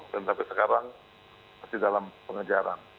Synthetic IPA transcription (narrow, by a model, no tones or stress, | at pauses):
kənt̪apisəkaɾaŋ | masidalampəŋəd͡ʒaɾa̰n